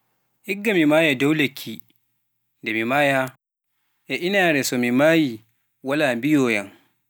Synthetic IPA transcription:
ʔiɡːamimaːjadɔwlekʰːi | ndɛmimaːja | ʔɛʔinaːɾɛsɔmimaːji | walaːmbijɔːjan

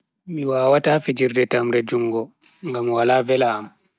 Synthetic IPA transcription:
miwaːwatafid͡ʒiɾdɛtamɾɛd͡ʒuŋɡɔ | ŋɡamwalaːvɛlaːm

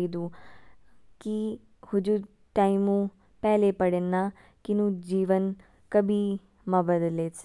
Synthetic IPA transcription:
id̪u | ki | hʊd͡ʒu | ʈaːimũ | pɛːlepɐɽenːaː | kinũd͡ʒiːʋən | kɐbʱi | mɐbɐd̪leːt͡ʃ

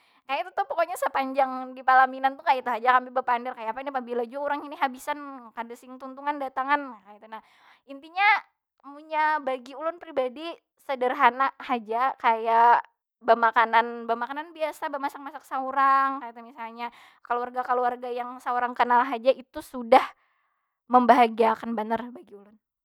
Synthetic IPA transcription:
kajait̪ut̪uhpɔkoɲasəpaɲd͡ʒaŋdipalaminant̪ukait̪uɦad͡ʒakampibəpandərkajaːpainipabilad͡ʒuauɾaŋaniɦabisankadasɪŋt̪unt̪uŋandat̪aŋankait̪unah | int̪iɲa | muɲabaɡiulʊnpɾibadi | sədərɦanahad͡ʒakaja | bəmakananbəmakananbiasabəmasak̚masaksauɾaŋkait̪amisalɲa | kəluarɡakaluarɡajaŋsauɾaŋkənalɦad͡ʒaʔit̪usudah | məmbaɦaɡiakanbənarbaɡiulʊn

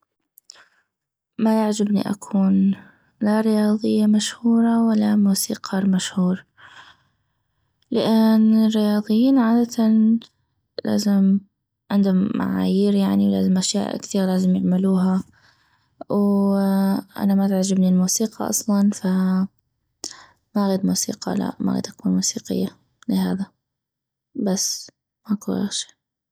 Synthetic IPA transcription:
majaʕd͡ʒabnḭʔa̰kʰuːn | laɾɪjɑːðˤɨjːamaʃhuːɾˤɑwalːamuːsḭːqɑːɾˤmaʃhuːɾ | lɪʔɪnɪrːɪjɑːd̪ˤɨjːiːnʕaːd̪at̪ʰan | la̰ːzɪm | ʕɪnd̪ʊmːʔa̰ʕa̰ːjɪɾjaʕniwla̰ːzɪmʔaʃja̰ːʔkθiːɣlaːzɪmjɪʕmɪluːɦa | w | ʔa̰namat̪aʕd͡ʒɪbnɪlmuːsiːqʰɑʔɑ̰sˤlɑnfa | maʔɣiːd̪muːsḭːqɑ̰la̰ʔma̰ɣḭːd̪ʔakuːnmuːsḭːqɪ̰jːa | lɪɦa̰ːða | basː | makua̰xʃi̥

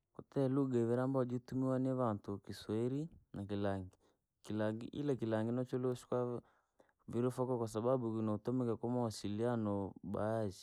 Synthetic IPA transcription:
kutɛluɡavɛɾambad͡ʒitumiwanɛβantukiswɛɾinakilaŋɡi | kilaŋɡḭʔḭlakilaŋɡinɔt͡ʃɔlɔʃi̥kwa | viɾɔfakɔkwasaɓaɓukinautɔmɛkakamawasilianɔɓaːd͡ʒi

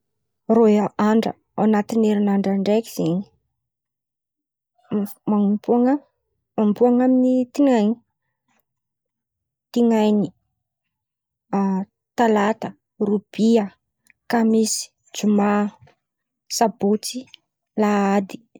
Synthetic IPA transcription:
roaaɳɖ͡ʐə̰ | anat̪ineɾinaɳɖ͡ʐaɳɖ͡ʐeki̥z̥eɲi̥ | mapuaŋa | mambuaŋaminit̪iŋajni̥ | t̪iŋajni | t̪alat̪ə | rub̥iə | kamisi̥ | d͡ʒuma | sabot͡si | laad̪i̥

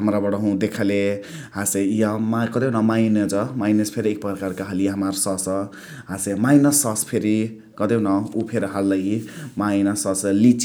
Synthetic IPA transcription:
ɦamɾabʌɽʌɦũd̪ekʰaleɦasejʌmakʌd̪enʌmajned͡zʌmajnʌspʰeɾiek̚pʌkarkaɦʌliɦamarsʌsʌ | ɦasemajnʌsːʌspʰeɾi | kʌd̪enʌupʰeɾʌɦalːʌjimajnʌsʌslit͡s

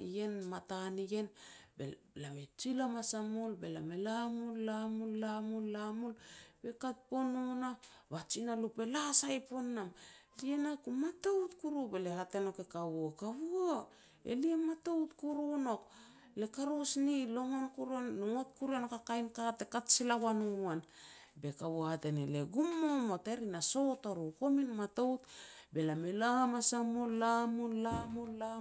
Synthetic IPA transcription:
ḭje̞nmatanije̞nbḛ | lamet͡ʃilamasamulbe̞lamelamulːamulːamulːamulbe̞kat̚po̞nona | βat͡ʃinalupe̞lasajpo̞nːamlienakumatoutkuɾube̞le̞hate̞no̞ke̞kaβuokaβuo | ḛliematowtkuɾuno̞k | le̞kaɾosnilo̞ŋo̞nkuɾonŋot̚kuɾenokakajnkate̞katsilawanuan | be̞kaβohate̞nḛleɡumːomo̞te̞ɾinaso̞toɾuko̞minmato̞wt̚be̞lamelamasamolamulamola

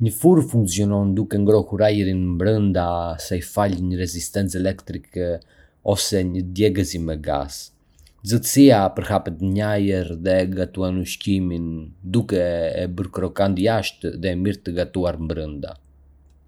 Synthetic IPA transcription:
ɲəfuɾfuŋksiɔnɔnd̪ukɛŋɡɾɔhuɾajəɾinmbɾənd̪asɛjfalɲəɾɛzist̪ɛnt͡sɛlɛkt̪ɾikɛ | ɔsɛɲəd̪jɛɡɛzimɛɡa̰s | zət̪siapəɾhapɛt̪əɲajəɾðɛɡat̪uanuʃcimind̪ukɛːbəɾkɾɔkand̪jaʃt̪ðɛːmiɾt̪əɡat̪uaɾmbɾənd̪a̰

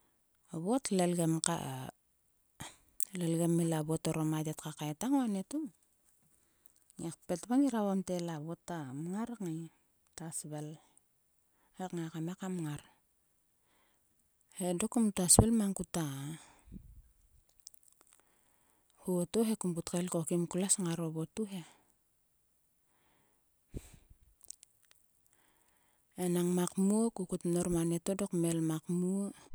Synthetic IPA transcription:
aβotlelɡemka̰ | lelɡemilabotoɾomadetkakaetaŋoanetuŋ | ŋek̚petβaŋiɾaβamtelaβotːamŋaɾŋaj | tasbel | hekŋakamekamŋaɾ | hedokːumtasbelmaŋkuta | hotoɦekumbutkelko̞kimkulasŋaɾobotuɦe | enaŋmakmukukutnoɾmanetodokmelmakmu

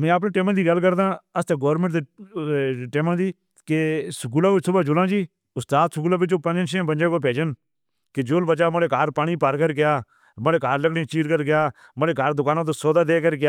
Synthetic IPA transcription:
mɛ̃ːəp̬neːʈeːmãːd̪iːɡəlkəɾd̪ãːəst̪eːɡoːɾmə̃ɳʈd̪eː | ʈeːmãːd̪iː | kesəkuːlaːʋɪt͡ʃsʊbaːd͡ʒʊlãːd͡ʒiː | ʊst̪aːd̪səkuːlaːbɪt͡ʃoːpə̃d͡ʒẽnʃẽːbənd͡ʒeːkoːpeːd͡ʒən | ked͡ʒʊːlbət͡ʃaːməleːkaːɾpaːɳ̃iːpəɾkəɾɡɪjaː | məleːkaːɾləkɽẽːt͡ʃiːɾkəɾɡɪjaː | məleːkaːɾd̪ʊkaːnãːt̪oːsoːd̪aːd̪eːkəɾɡɪjaː

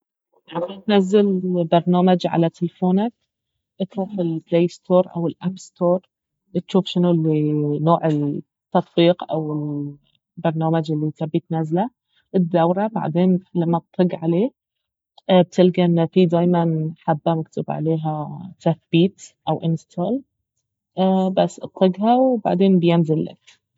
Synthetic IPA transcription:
aʕawit̪nazːɪlbɑɾˤnaːmad͡ʒʕa̰lat̪ɪlfoːnak̚ | ʔɪt̪ɾuːfɪlpleːst̪ʰoːɾˤʔa̰wɪlʔapst̪oːɾˤ | t̪ʃuːfʃɪnulːinoːʕɪl | t̪ːɑt̪ˤbiːqʔawɪl | bɑɾˤnaːmad͡ʒɪlːit̪abːiːt̪nazːla | ʔɪd̪ːawɾˤaba̰ʕd̪eːnlamːat̪ˤːɨɡʕaleː | b̚t̪ɪlɡaʔɪnːafid̪aːjmanħabːamak̚t̪ʰɪbʕa̰leːɦat̪aθb̥iːt̪ʔawʔɪnst̪ʰoːl | basːʔɨt̪ˤːɨɡɦawba̰ʕd̪eːnbjɪnzɪlːa̰k

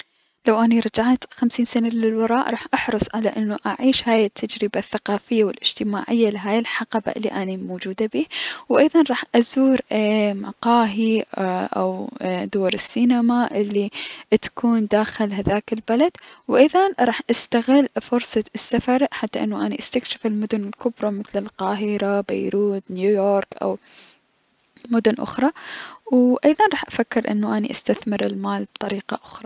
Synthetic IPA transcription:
lawʔaniɾˤɑd͡ʒaʕt̪xamsiːnsanalɪlwɑɾˤɑːʔɾˤɑːħʔɑħɾˤɨsˤʕalaʔɪnːuʔaʕiːʃhaːjɪt̪ʰːad͡ʒɾɪbaθːaqɑːfɪjːawɪlʔɪd͡ʒ̥t̪ɪmaːʕɪjːalɪɦaːjɪlħɑqɑba̰ʔɪlːḭʔanimoːd͡ʒuːd̪abiːwʔajðˤɑnɾˤɑːħʔazuːɾmaqɑːɦiʔa̰wd̪oːɾˤɪsːiːnamaʔɪlːit̪ḁkʰuːnd̪aːxɪlɦaðaːkɪlbalad̪̥wʔɪðˤɑnɾˤɑːħʔast̪aɣɪlːfʊɾsˤɑsːafɑɾˤħat̪ːaʔɪ̰nːuʔaniʔast̪akʃɪ̥fɪlmʊd̪ʊnɪlkʊbɾˤɑmɪθlɪlqɑːɦɪɾaba̰jɾuːt̪njuːjoːɾkʔa̰w | mʊd̪ʊnʔʊ̰xɾˤɑwʔɑjðˤɑnɾˤɑːħʔafakːɪɾʔɪ̰nːuʔanḭʔast̪aθmɪɾɪlmaːlbt̪ˤɑɾiːqɑ̰ʔʊxɾˤɑ

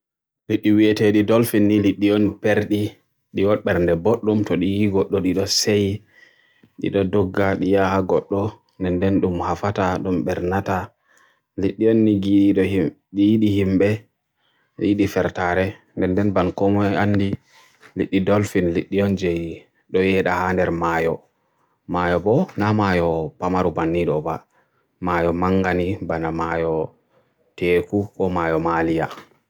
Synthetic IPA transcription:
liɗːiwiɛteɗidɔlfinːiliɗːiɔnpeɾɗi | ɗiwɔɓɛɾndɛboɗːumtɔɗijiɡɔɗːɔɗiɗɔseji | ɗḭɗɔdɔɡːaɗijahaɡɔɗːɔ | ndɛndɛnɗumhafataɗumɓɛɾnata | liɗːijɔnːiɡiɗɔ | ɗijiɗihimɓɛ | jiɗifɛɾtaːɾɛ | ndɛndɛnbankɔmɔanːdi | liɗːidɔlfinliɗːiɔnd͡ʒɛj | ɗɔjɛɗahandɛɾmajɔ̰ | majɔbɔnamajɔpamaɾubanːiɗɔba | maːjɔmaŋɡanibanamajɔ | teːkukɔmaːjɔmalija

